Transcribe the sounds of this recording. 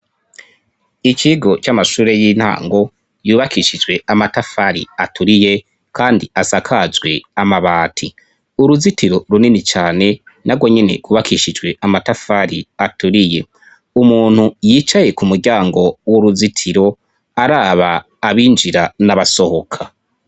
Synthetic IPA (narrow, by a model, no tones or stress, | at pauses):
ikiɡo̞t͡ʃamaʃuːɾe̞jiːn̥ha̰ːŋɡo̞ | juːβakʰiʃid͡ʒɡwe̞amatafaɾḭatʰuɾije̞ | kʰaːndiasakʰazɡwe̞amaβaːtʰi | uɾuzitiɾo̞ɾuninit͡ʃaːne̞ | naɡwo̞ɲe̞ne̞̰ɡwuβakiʃid͡ʒwe̞ʔamatafaɾiatuɾije̞ | umuːn̥hujiːt͡ʃaje̞kumuɾɟaːŋɡo̞woɾuzitʰiɾo̞ | aɾaːβaː | βiːnd͡ʒiɾanaβaso̞ho̞kʰa